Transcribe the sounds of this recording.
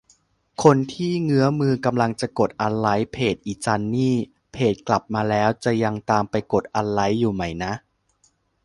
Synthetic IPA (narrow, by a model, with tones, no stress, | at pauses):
kʰo˧nt̪ʰiː˥˩ŋɯ˦˥ɐmɯː˧ka˧mla˧ŋt͡ɕa˨˩ko˨˩t̪̚ʔa˧nla˦˥jpʰeː˨˩t̪̚ʔiː˨˩t͡ɕa˧nːiː˥˩ | pʰeː˨˩t̪̚kla˨˩p̚maː˧lɛː˦˥wt͡ɕa˨˩ja˧ŋt̪aː˧mpa˧jko˨˩t̪̚ʔa˧nla˦˥jːuː˨˩ma˦˩jna˦˥ʔ